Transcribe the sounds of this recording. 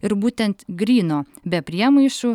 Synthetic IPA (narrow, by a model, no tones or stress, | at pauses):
ɪɾbuːt̪ʲɛnt̪ɡɾʲiːnoːbʲɛpʲɾʲiɛmɐɪʃʊ